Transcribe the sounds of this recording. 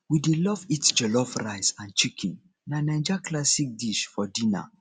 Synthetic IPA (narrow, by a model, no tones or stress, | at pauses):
widelɔvitsd͡ʒɛlɔfɾaɪsãnt͡ʃikʰĩn | nanɛ̃nd͡ʒaklasik̚diʃfɔdĩna̰